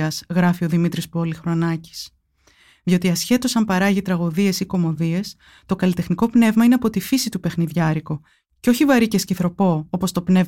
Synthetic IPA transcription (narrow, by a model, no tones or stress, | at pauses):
ɐzɣɾɐfio̞ðimit̪ɾispo̞lixɾo̞nɐci̥s | ðjo̞t̪iɐsçe̞t̪o̞sɐmpɐɾɐʝit̪ɾɐɣoðie̞siko̞mo̞ðie̞s | t̪o̞kɐlit̪e̞xniko̞pne̞vmɐine̞ɐpo̞t̪ifisit̪upe̞xniðʝɐɾiko̞ | ceo̞çivɐɾicesciθɾo̞po̞opo̞st̪o̞pne̞v